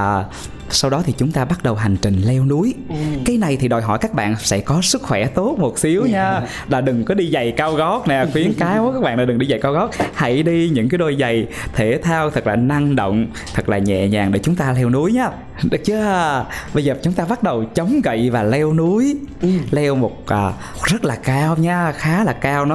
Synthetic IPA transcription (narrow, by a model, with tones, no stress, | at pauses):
sa˧wɗɔ˨˦t̪ʰi˨˩t͡ɕʊ˨˦ŋ͡mt̪aː˧ɓa˦˥t̚ɗə˨˩wɦa˨˩jŋ̟t͡ɕï˨˩ŋ̟lɛ˧wnu˨˦jkaː˨˦jna˨˩jt̪ʰi˨˩ɗɔ˨˩jɦɔ̰˧˩jkaː˦˥k̚ɓa̰ː˧˨nsɛ̰˧˥kɔ˨˦sɨ˦˥k̚xwɛ˧˩t̪o˦˥t̚mo˨˩t̚si˨˦əwɲaː˧ | ɗaː˨˩ɗɨ˨˩ŋkɔ˨˦ɗi˧za˨˩jkaː˧wɣɔ˨˦˥t̚na˨˩xwi˨˦ənkaː˨˦jo˧˦kaː˦˥k̚a̰ː˧˨nlaː˨˩ɗɨ˨˩ŋɗi˧za˨˩jkaː˧wɣɔ˦˥t̚ha̰˧˩jɗi˧ɲɨ̰˧˥ŋkaː˨˦ɗo˧˩jza˨˩j | t̪ʰe˧˩t̪ʰaː˧wt̪ʰɨ˨˩k̚laː˨˩na˧ŋɗo̰˧˨wŋ͡m | t̪ʰɨ˨˩k̚laː˨˩ɲɛ̰˧˨ɲa̰ː˨˩ŋɗḛ˧˩t͡ɕʊ˨˦ŋ͡mt̪aː˧lɛ˧wnu˨˦əjɲaː˨˦˨ | t͡ɕɨ˨˦˧ɓə˧jzəː˨˩t͡ɕʊ˨˦ŋ͡mt̪aː˧ɓa˦˥t̚ɗə˨˩wt͡ɕə˨˦wŋ͡mɣə̰˧˨jvaː˨˩lɛ˧wnu˨˦əjlɛ˧wmo˨˩t̚ʔəː˨˩ | zə˦˥t̚laː˨˩kaː˧wɲaː˧xaː˨˦laː˨˩kaː˧wnɔ˨˦